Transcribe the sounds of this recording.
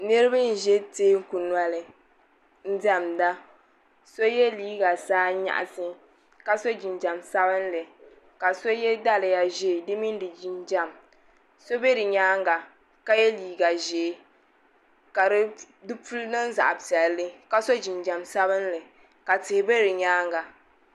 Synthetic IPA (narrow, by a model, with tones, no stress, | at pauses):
nɨ˦ɾɨ˦ba˦n̩˨ʒɛ˦teː˦ku˨n˨a˨lɨ˨ | n̩˦da˦˨mda˦ | so˦jɛ˦liː˦ɡa˨saː˦ɲa̰˨ʔa̰˨sɨ˦ | ka˦so˦d͡ʒi˨nd͡ʒa˨msa˦bɨ˦n˦lɨ˨ | ka˨so˦jɛ˦da˦lɨ˨ja˨ʒeː˦˨dɨ˦mi˦n˦dɨ˨d͡ʒi˨nd͡ʒa˦m | so˦be˦dɨ˨ɲaː˦ŋɡa˨ | ka˦jɛ˦liː˨ɡa˨ʒeː˨˦ | ka˨ɾɨ˦ | dɨ˦pu˦lnɨ˦n˦za̰˨ʔa˨tɛ˨lːɨ˦ka˦so˦d͡ʒi˨nd͡ʒa˨msa˦bɨ˦n˦lɨ˨ | ka˨tɪ˨hɪ˨be˦ɾɨ˨ɲaː˦ŋɡa˨